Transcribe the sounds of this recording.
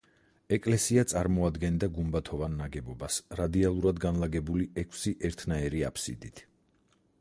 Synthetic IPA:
ɛkʼlɛsiat̪sʼaɾmɔad̪ɡɛnd̪aɡumbat̪ʰɔvanːaɡɛbɔbasɾad̪ialˠuɾad̪ɡanlˠaɡɛbuliʔɛkʰsiʔɛɾt̪ʰnaɛɾiapʰsḭd̪it̪ʰ

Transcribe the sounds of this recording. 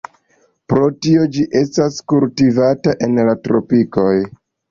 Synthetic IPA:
pɾo̞tio̞d͡ʒiʔe̞staskultivataʔe̞nlatɾo̞̰piko̞j

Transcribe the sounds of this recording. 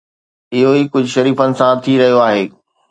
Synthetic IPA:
ɪɦoiːkʊd͡ʑʱʃɐɾiːfənɪ̆sãt̪ʰiɾɐɦijoaːɦeː

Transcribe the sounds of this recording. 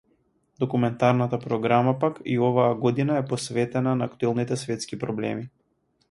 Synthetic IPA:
d̪ɔkumɛnt̪aɾnat̪apɾɔɡɾamapakḭɔvaaɡɔd̪inaɛpɔsvɛt̪ɛnanaːkt̪uɛlˠnit̪ɛsvɛt̪skipɾɔblɛ̰mi

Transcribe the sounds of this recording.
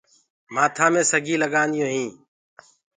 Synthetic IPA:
maːt̪ʰãːmẽːsəɡʱiːləɠaːnjõːɦĩː

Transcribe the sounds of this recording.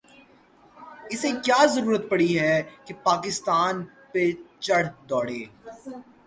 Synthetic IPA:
ɪsekjaːzɐɾuːɾət̪̚pɐɽiɦɛkepaːkɪst̪aːn | pet͡ʃɐɽ̤d̪ɔːɽḛː

